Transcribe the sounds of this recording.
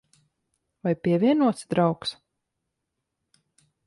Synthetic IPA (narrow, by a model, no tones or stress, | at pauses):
vajpʲiɛvʲiɛnuɔt̪sd̪ɾawks